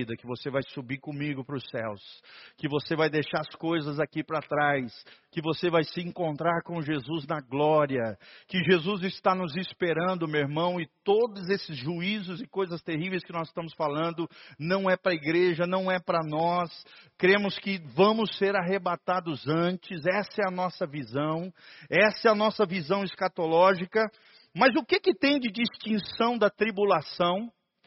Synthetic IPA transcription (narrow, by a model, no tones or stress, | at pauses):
id̪ɐkɪvosevajsubiɾkõmiɡʊpɾʊsɛwskɪvosevajd̪ejʃaɐskojzɐzakipɾɐt̪ɾajskɪvosevajsɪẽŋkõnt̪ɾaɾkõʒezuznɐɡlɔɾiɐkɪʒezuzɪst̪anʊzispeɾɐ̃nd̪ʊmeweɾmɐ̃w̃ɪt̪od̪ʊzesɪzʒuizʊzɪkojzɐst̪eɦivejskɪnɔzɪʃt̪ɐ̃mʊsfalɐ̃nd̪ʊnɐ̃w̃ɛpɾɐiɡɾeʒɐnɐ̃w̃ɛpɾɐnɔskɾẽmʊskɪvɐ̃mʊsːeɾaɦebat̪ad̪ʊzɐ̃t͡ʃɪzɛsɐɛɐnɔsɐvizɐ̃w̃ɛsɐɛɐnɔsɐvizɐ̃w̃ɪskat̪olɔʒikɐ | mɐzʊkɪkɪt̪ẽj̃d͡ʒɪd͡ʒist͡ʃĩsɐ̃w̃d̪ɐt̪ɾibulasɐ̃w̃